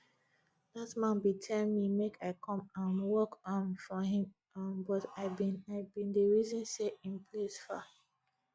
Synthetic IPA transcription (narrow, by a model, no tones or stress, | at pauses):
datmãnbitʰɛlmimekʰaɪkʰɔ̃mãnwɔkɔ̃nfɔɦĩm | nbɔtaɪbĩnaɪbĩndəɹizɔ̃nseĩmpʰlesfa